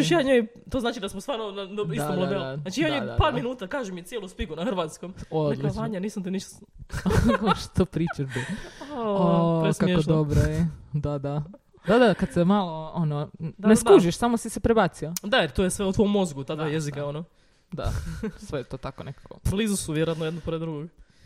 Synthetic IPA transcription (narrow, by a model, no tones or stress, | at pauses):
jaːɲoj | t̪oznaːt͡ʃid̪asmost̪aːɾnonaiat̪omlˠobelnaːt͡ʃijaɲojpaːɾminuːt̪akaːʒumit̪sjelˠuspikunaxɾʋat̪skomod̪lit͡ʃaːɲaniːsamt̪iniʃt̪ | koʃt̪opɾit͡ʃaʒbi | oɾeskakod̪obɾojed̪ad̪a | d̪ad̪akad̪semaloononeskuʒiʃsamosisepɾebat̪siad̪aeɾt̪oːjesʋeut̪ʋomːozɡut̪aːd̪ʋaːjezikaono | d̪a̰ssʋejet̪oːt̪akonekḁko̰blizusuʋjeɾoat̪nojed̪nopoɾed̪ɾuɡoɡ